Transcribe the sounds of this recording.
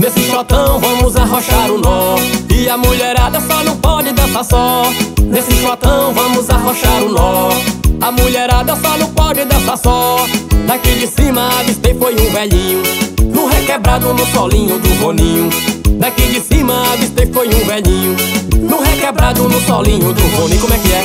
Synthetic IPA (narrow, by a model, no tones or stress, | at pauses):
nesɪʃɔt̪ɐ̃w̃vɐ̃mʊzaɦoʃaɾʊnɔɪɐmuʎɛɾad̪ɐsɔnɐ̃w̃pɔd͡ʒɪd̪ɛsɐsɔnesɪʃat̪ɐ̃w̃vɐ̃mʊzaɦoʃaɾʊnɔ | amuʎɛɾad̪ɐsɔnɐ̃w̃pɔd͡ʒɪd̪ɛsɐsɔd̪akid͡ʒɪsĩmɐvist̪ẽfojũvɛʎĩɲʊnʊɦekɛbɾad̪ʊnʊt̪ɔlĩɲʊd̪ʊvõnĩɲʊ̃d̪akid͡ʒɪsĩmɐavit̪ejfojũvɛʎĩʊnʊɦekɛbɾad̪ʊnʊt̪ɔ̰lĩɲʊd̪ʊvõnĩkõmwɛkɪɛ